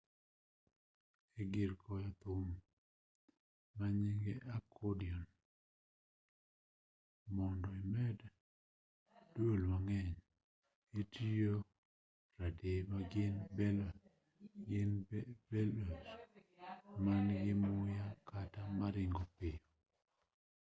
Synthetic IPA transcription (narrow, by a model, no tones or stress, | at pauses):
eɡɪɾkʰɔjat̪ʊm | maɲiŋɡɛʔakʰodiɔn | mɔndɔemɛd | dwolmaŋɛɲ | etijo | ɾademaɡɪnbɛl | ɡɪnbɛlos | manɡɪmʊjakʰatamaɾɪŋɡɔpɪɔ